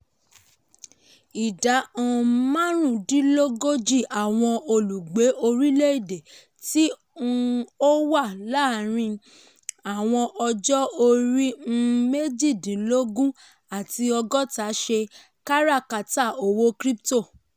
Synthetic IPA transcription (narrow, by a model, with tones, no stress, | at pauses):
i˨da˨˦ɔ̃˧˨mã˦ɾ̃ũ˦˨dĩ˦lo˦ɡo˦d͡ʒi˦˨ʔa˨w̃ɔ̃˧o˧lu˨ɡ͡be˨˦ʔo˧ɾi˦le˦i˦˨de˨ | ti˦˧ | o˦wa˦˨la˦˨ɾ̃ĩ˧ | a˨w̃ɔ̃˧ʔɔ˧d͡ʒɔ˦o˧ɾi˦me˦d͡ʒi˦˨dĩ˨lo˦ɡũ˦ | a˨ti˧ɔ˧ɡɔ˦ta˨˦ʃe˧ | ka˦ɾa˦˨ka˨ta˦˨o˨wo˦kɾi˦pto˦˨